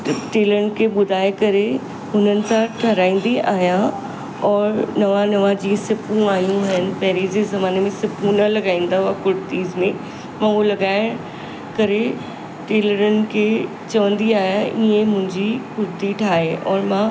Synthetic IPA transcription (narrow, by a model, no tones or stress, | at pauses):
ʈeːləɾənɪ̆kʰeɓʊd̪ʱaːekɐɾe | ɦʊnənɪ̆sãʈʰɐɾaːĩːn̆d̪iʔaːɦja | ɔːɾnɐʋãnɐʋãd͡ʑiːsɪpũaːɦijũɦɪnɪ̆pɐɦɪɾid͡ʑeːzɐmaːnemẽsɪpũnɐlɐɡaːĩːn̆d̪aɦuakʊɾt̪iːzmẽ | mãːulɐɡaːɪɽ | kɐɾe | ʈeːləɾənɪ̆kʰe | t͡ɕɐʋə̃nd̪iaːɦjaʔiẽmʊ̃ɦɪ̃ɲd͡ʑikʊɾt̪iʈʰaːɦeʔɔːɾmã